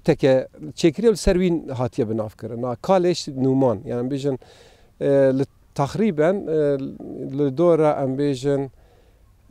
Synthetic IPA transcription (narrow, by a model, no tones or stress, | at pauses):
t̪ʰɛkɛt͡ʃʰeːkɨɾijewlɨsɛɾwiːnɦɑːt̪ʰijɛbɨnɑːvkɨɾɨnɑkʰɑːleʃnuːmɑːnjɑ̰ːniɛmbeːʒɨn | lɨ | t̪ʰɑxɾiːbɛn | lɨd̪oːɾɑʔɛmbeːʒɪn